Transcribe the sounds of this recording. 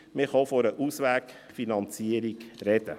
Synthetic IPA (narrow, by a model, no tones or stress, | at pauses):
mɪχɑfɔɾəʔusʋæːk | finɑnt͡siəɾikɾɛd̥ə̰